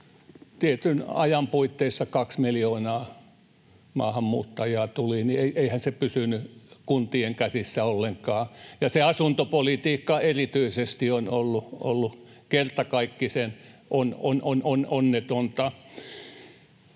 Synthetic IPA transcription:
t̪iet̪ynɑ̰jɑmpuit̪ːeisːɑkɑksmiljoːnɑː | mɑ̰ːhɑmːṵːt̪ːɑjiɑːˑt̪ulinieiʔeihænsepysynykunt̪ieŋkæsisːæolːeŋkɑːjɑseɑsunt̪opolit̪iːkːɑerit̪yisest̪ionolːuo̰lːukert̪ɑkɑikːisenʔononʔonononːet̪ont̪ɑ

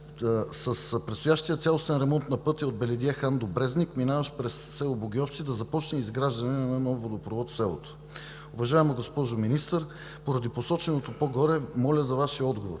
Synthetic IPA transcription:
sɐspɾɛtst̪ojaʃt̪ijət̪sʲalˠost̪ɛnɾɛmɔnt̪nɐpɤt̪ʲiod̪̚bɛlɛd̪iɛxand̪obɾɛznikminavɐʃpɾɛsːɛlˠoboɡʲiɔft͡ʃ̪id̪ɐzɐpɔt͡ʃnɛizɡɾaʒd̪ɐnɛnɐnɐnɔvːod̪opɾovɔt̪sɛlˠo̰t̪o̥ | ʊvɐʒaɛmoɡospɔʒominist̪əɾ | poɾɐd̪iposɔt͡ʃɛnot̪opoɡɔɾɛmɔlʲəzɐvaʃiəɔd̪ɡovo̰ɾ

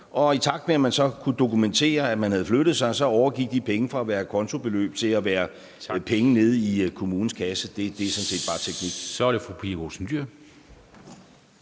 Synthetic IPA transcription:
ʔɒ̽it͡sʰɑ̈ɡ̥̚d̥meæmænsɒ̽kʰud̥o̝kument͡sʰe̝̰ːɐæmænhæð̞̩ˠfløɾ̥ð̞̩ˠsɑ̈ɪsɒ̽ɒʊɐɡ̥iɡ̥̚d̥i̥pʰeŋəfʁɑ̈æʋæːɐkʰɒ̽nt͡sʰo̝b̥e̝lø̰ːb̥̚t͡sʰe̝læʋæːɐ | pʰeŋəne̝ð̞ˠikʰo̝muːn̩skʰæsəd̥e̝d̥e̝sɔ̽nse̝̰ːd̥b̥ɑ̈ːt͡sʰeɡ̥niɡ̥sɒɐɾefʁupʰiɐɡosnd̥yɐ̰

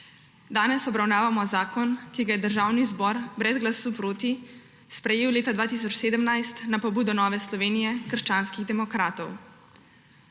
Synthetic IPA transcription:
d̪aːnɛsɔbɾawnaːʋamɔzaːkɔnkiɡajɛd̪əɾʒawnizbɔɾbɾɛzɡlasuːpɾoːt̪i | spɾɛjeːwleːt̪ad̪ʋaːt̪iːs̬ɔt͡ʃseːd̪əmnajst̪napɔbuːd̪ɔnɔːʋɛslɔʋeːnijɛkərʃt͡ʃaːnskiɣd̪ɛmɔkɾaːt̪ɔw

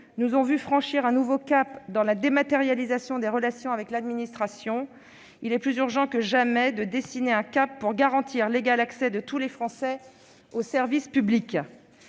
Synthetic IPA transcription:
nuzɔ̃vyfχɑ̃ʃiʁɛ̃nuvokapd̪ɑ̃lad̪emat̪eʁjalizasjɔ̃d̪eʁəlasjɔ̃avɛklad̪minist̪χasjɔ̃ | ilɛplyzyʁʒɑ̃kəʒamɛd̪əd̪esineɛ̃kapːuʁɡaʁɑ̃t̪ʰiʁleɡalaksɛd̪ət̪ulefχɑ̃sɛ | osɛʁvispyblik

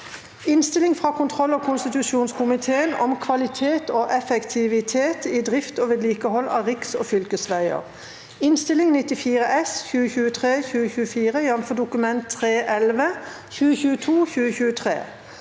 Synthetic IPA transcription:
ɪnst̪ɪlɪŋfʁɑːkʰʊnt̪ʰʁɔlːoːkʰʊnst̪ɪt̪ʉʃuːnskʰʊmɪt̪ʰeːənɔ̰mkʰʋɑlɪt̪ʰeːt̪oːʔɛfəkt̪ʰɪʋɪt̪ʰeːt̪iːd̪ʁɪft̪oːʋɛd̪liːkəhɔlːɑ̰ːʁɪksoːfʏlkəsʋæɪə̰ʁ | ɪnst̪ɪlɪŋnɪt̪ɪfiːʁəʔɛsçʉːəçʉːət̪ʰʁeːçʉːəçʉːəfiːʁəjɑmfɔd̪ʊkʉmɛnt̪ʰːʁeːʔɛlʋə | çʉːəçʉːət̪ʰuːçʉːəçʉːət̪ʰʁḛː

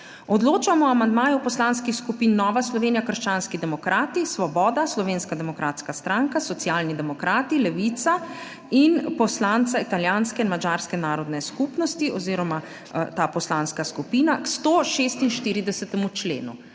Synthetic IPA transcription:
ɔd̪loːt͡ʃamɔamand̪maːjupɔslanskixskupiːnːɔːʋaslɔʋeːnijakəɾʃt͡ʃaːnskid̪ɛmɔkɾaːt̪isʋɔbɔːd̪aslɔʋeːnskad̪ɛmɔkɾaːt̪skast̪ɾaŋkasɔt̪sijaːlnid̪ɛmɔkɾaːt̪ilɛʋit̪sa | inpɔslant̪sait̪aljaːnskɛinmad͡ʒaːɾskɛnaːɾɔd̪nɛskupnɔst̪iʔɔziːɾɔma | t̪aːpɔslanskaskupiːnakst̪oːʃeːst̪inʃt̪iːɾid̪ɛsɛt̪ɛmut͡ʃlḛːnṵ

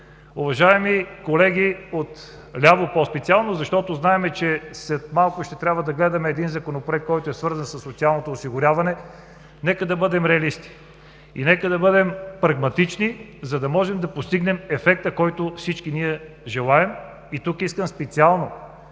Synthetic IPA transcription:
ʊvɐʒaɛmikolɛɡ̟iot̪ | lʲavopɔspɛt̪sialˠnozɐʃt̪ɔt̪oznaɛmɛt͡ʃɛslɛt̪malˠkʊʃt̪ɛt̪ɾʲabvɐd̪ɐɡlɛd̪ɐmɛːd̪inzɐkonopoɾɛk̪̚kːɔjt̪oɛsvɤɾzənsɐsːot̪sialˠnot̪oːsiɡʊɾʲavɐnɛ | nɛkəd̪ɐbɤd̪ɛmɾɛɐlist̪i̥ | ḭnɛkəd̪ɐbɤd̪ɛmpɾɐɡmɐt̪it͡ʃni | zɐd̪ɐmɔʒɛmd̪ɐpost̪iɡnɛmɛfɛk̚t̪əkɔjt̪ʊfsit͡ʃkiniɛ | ʒɛlˠaɛm | it̪ukiskəmspɛt̪sialˠno

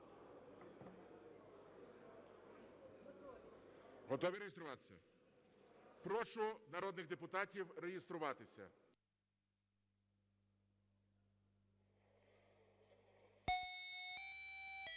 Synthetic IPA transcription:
ɦɔt̪ɔʋʲiɾejest̪ɾʊʋɑt̪ɪ̥sʲɐ̰ | pɾɔʃʊnɐɾɔd̪nɪɣd̪epʊt̪ɑtʲiwrejest̪ɾʊʋɑt̪ɪsʲɐ̰

